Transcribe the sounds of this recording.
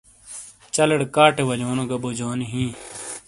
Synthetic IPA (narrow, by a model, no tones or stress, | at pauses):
t͡ɕɐleɽkaːʈewɐloːnoɡɐbod͡ʑoːniɦĩː